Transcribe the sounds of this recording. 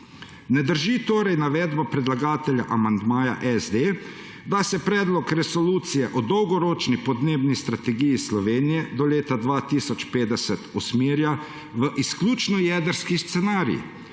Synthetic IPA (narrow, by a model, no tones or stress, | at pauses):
nɛd̪əɾʒit̪oːɾɛjnaʋɛd̪bapɾɛd̪laɡaːt̪ɛlja̰ʔamand̪maːja̰ʔɛzd̪eː | d̪asɛpɾɛːd̪lɔkɾɛsɔluːt̪sijɛʔɔd̪ɔwɡɔɾoːt͡ʃnipɔd̪neːbnist̪ɾat̪ɛɡijislɔʋeːnijɛd̪ɔleːt̪ad̪ʋaːt̪isɔt͡ʃpeːd̪ɛsɛt̪usmeːɾja | ʋəʔisklʲuːt͡ʃnɔjɛːd̪əɾskist̪sɛnaːɾḭ